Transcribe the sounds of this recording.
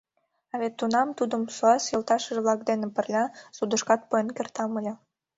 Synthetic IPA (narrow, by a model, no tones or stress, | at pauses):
ɑβet̪ːunɑmt̪ud̪əmsuɑsjɤ̆lˠt̪ɑʃə̆ʒβlɑkd̪enĕpə̆rlʲæsud̪ə̆ʃkɑt̪̚poenkert̪ɑməlʲe